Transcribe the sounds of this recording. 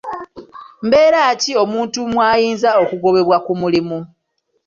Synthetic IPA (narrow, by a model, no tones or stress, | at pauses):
mbe̞ːɾaːcio̞muːntumwaːjiːnzao̞kuɡo̞βe̞βwakumulimu